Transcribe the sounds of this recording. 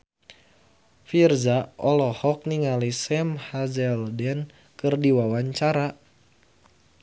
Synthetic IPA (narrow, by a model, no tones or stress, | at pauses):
firzaʔɔlɔhɔk̚niŋalisɛmhazɛldɛn | kɨrdiwawaɲt͡ʃaɾa